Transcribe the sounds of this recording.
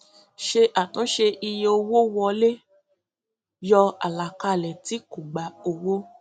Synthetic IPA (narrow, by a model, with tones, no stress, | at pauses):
ʃe˧ʔa˨tɔ̃˨˦ʃe˧ʔi˧je˧o˧wo˦wɔ˧le˦ | jɔ˧a̰˨la˨ka˧˨lɛ˨ti˨˦ku˨ɡ͡ba˨o˧wo˦